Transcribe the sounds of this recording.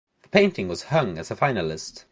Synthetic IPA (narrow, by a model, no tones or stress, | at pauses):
ðəpʰẽɪ̃ntɪ̃ŋwʌz̥hʌ̃ŋəz̥əfãɪ̃nəlˠɪst